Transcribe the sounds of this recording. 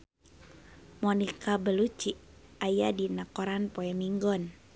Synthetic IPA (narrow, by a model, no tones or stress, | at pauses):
mɔnikabəlut͡ʃiʔ | ajadinakɔɾanpoɛmiŋɡɔn